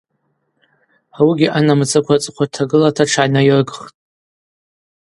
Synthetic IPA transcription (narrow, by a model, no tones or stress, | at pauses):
awiɡʲiʔanamɨt͡sʼɨkʷʰat͡sʼɨqʷʰatʰaɡɨlatʰaʈ͡ʂʰanairɡχtʼ